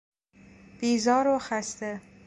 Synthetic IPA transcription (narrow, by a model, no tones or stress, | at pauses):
b̥iːzɒːɾoxæst̪e